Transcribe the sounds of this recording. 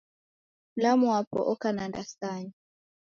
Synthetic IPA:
lamuapɔ̰ʔɔkanandastaɲi

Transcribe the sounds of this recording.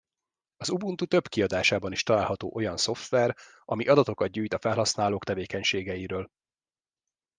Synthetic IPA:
ɒzubunt̪ut̪ø̞bkiɒd̪aːʃaːbɒniʃt̪ɒlaːlɦɒt̪o̰ːʔo̞jɒnso̞ft̪ʋɛr | ɒmiʔɒd̪ɒt̪o̞kɒd̪̚ɟyːjt̪ɒfɛlɦɒsnaːloːkt̪ɛveːkɛɲʃeːɡɛjiɾøːl

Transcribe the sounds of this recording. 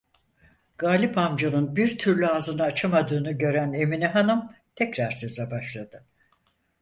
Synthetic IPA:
ɡ̥aːlʲipamd͡ʒanɯnbiɾt̪ʰyɾlʲyazɯnaːt͡ʃʰamad̪ɯːnɯɟø̞ɾæne̞miniɦanɯmt̪ʰɛcɾaɾsøzɛbaʃlˠad̪ɯ

